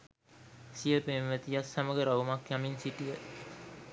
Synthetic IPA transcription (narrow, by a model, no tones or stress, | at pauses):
sijəpemʋət̪ijasːaməɡəɾaumakjaminsiʈijə